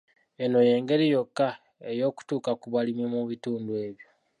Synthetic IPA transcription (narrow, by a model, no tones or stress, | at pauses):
e̞no̞je̞ːŋɡe̞ɾijo̞kːa | e̞jo̞ːku̥tuːkakuβalimimuβituːndwe̞ːβjo